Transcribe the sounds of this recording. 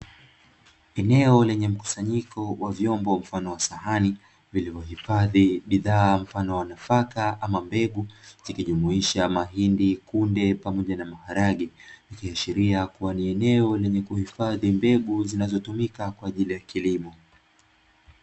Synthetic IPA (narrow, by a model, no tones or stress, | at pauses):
ɛnɛɔlɛɲɛm̩ku̥saɲikʰɔwavjɔmbɔm̩fanɔwasaɦani | vilivɔɦifaðiɓiðaːm̩fanɔwanafakaamambɛɠuz̥ikiʄumuiʃamaɦindikundɛpamɔʄanamahaɾaɠiikiaʃiɾiakuwaniɛnɛɔlɛɲɛkuhifaðimbɛɠuzinazɔtumikakwaːʄilijakilimɔ